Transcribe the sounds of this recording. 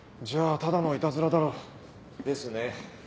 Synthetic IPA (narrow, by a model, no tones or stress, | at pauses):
d͡ʑaːt̪ad̪anoit̪azɨɾad̪aɾo | d̪e̞sɨne